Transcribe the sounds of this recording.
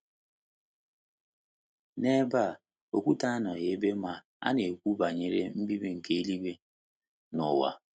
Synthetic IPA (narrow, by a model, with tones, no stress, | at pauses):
ne˦ba˦˨ | o˨kʷu˦ta˦nɔ˨je˨˦be˦ma˨ | a̰˦ne˨kʷu˦ba˨ɲe˨ɾḛ˦m̩˦bi˦be˦ŋ̩˨ke˦i˦li˦be˦ | nʊ˨wa̰˨